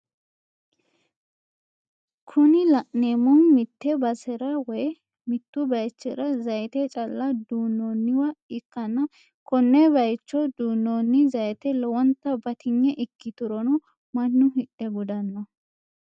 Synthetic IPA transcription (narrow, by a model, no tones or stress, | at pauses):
kʰʊnɪlɐʔneːmʊnmɪt̪ːɛbɐsɛɾɐwɔj | mɪt̪ːʊbɐjt͡ʃːɛɾɐzɐjt̪ɛt͡ʃʼɐlːɐd̪uːnːonːɪwɐɪkːɐnːɐ | kɔnːɛbɐjt͡ʃːɔd̪uːnːonːɪzɐjt̪ɛlɔwɔnt̪ːɐbɐt̪ɪɲːɛʔɪkːɪt̪ʊɾɔnɔ | mɐnːʊhɪɗɛɡʊd̪ɐnːɐ